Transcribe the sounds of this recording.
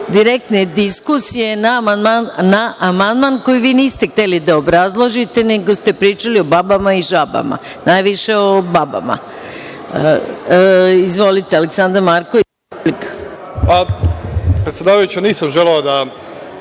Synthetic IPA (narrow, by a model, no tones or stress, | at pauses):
d̪iɾek̚t̪ne̞d̪iskusije̞namand̪mannaʔamand̪manko̞jiʋiːniːst̪ext̪e̞lid̪aobɾazlˠoʒit̪e̞ne̞ɡo̞st̪e̞pɾiːt͡ʃalio̞babamaiʒaba̰ma̰ | najʋiʃe̞o̞baba̰ma̰ | izʋo̞lit̪ealeksand̪aɾmaɾkoʋi | lik | pa | pɾet̪sʲjed̪aːʋajut͡ɕaniːsamʒeleod̪a